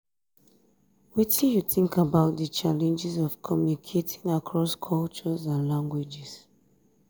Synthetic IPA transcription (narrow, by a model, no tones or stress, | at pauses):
witĩjuθĩŋkabaʊt̚dət͡ʃalɛ̃nd͡ʒizɔv̥kʰɔmjunikʰetʰĩŋakʰɹɔskʰɔlt͡ʃɔzãnlãŋɡwid͡ʒɛs